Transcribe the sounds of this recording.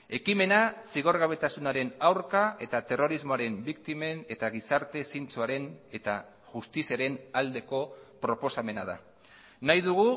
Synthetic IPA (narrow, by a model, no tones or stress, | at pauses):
e̞kime̞nasiɣ̞o̞ɾɣaβ̞e̞t̪asunaɾe̞nawɾkae̞t̪at̪e̞ro̞ɾizmo̞aɾe̞mbikt̪ime̞ne̞t̪aɣ̞isaɾt̪e̞sint͡suaɾe̞ne̞t̪a | ʝust̪isiaɾe̞nald̪e̞ko̞pɾo̞po̞same̞na̰ða̰ | najðuɣu